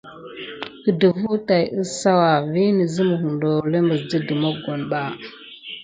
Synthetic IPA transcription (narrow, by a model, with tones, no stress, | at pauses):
kə˨də˨vu˦ta˨jʔə˦sa˦wa˨vi˦nə˨zə˦mu˨hu˨ndo˨le˦mə˨zdə˦də˨mo˦ɡo˨nɓa˦˨